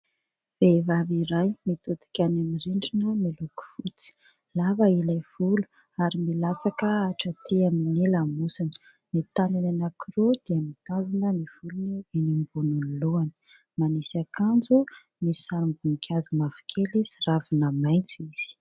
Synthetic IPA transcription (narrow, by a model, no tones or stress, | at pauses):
v̥evaviɾajmit̪ut̪i̥kʲanamiɾiɳɖ͡ʐinumiluku̥fut͡si̥ | lavailajv̥ulu̥ | aɾimilat͡sakəaʈ͡ʂət̪ʰeaminelamusinə̥ | nit̪anananakiɾod̪̥eəmit̪azunəniv̥ulunivenimbununiloani̥ | manisakand͡zu | misaɾimbuŋikʰʲazumafi̥kʰelisiravinəmajnt͡siz̥i̥